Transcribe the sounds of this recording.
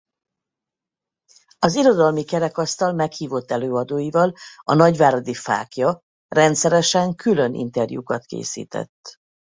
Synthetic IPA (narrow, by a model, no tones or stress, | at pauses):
ɒziɾo̞d̪ɒlmikɛɾɛkɒst̪ɒlmɛkhiːvo̞t̪ːɛløːɒd̪oːjivɒlɒnɒɟvaːɾod̪ifa̰ːkjɒ | rɛnt̪sɛɾɛʃɛŋkylø̞nʔḭnt̪ɛrjṵkɒt̪kḛːsḭːt̪ɛ̰t̪ː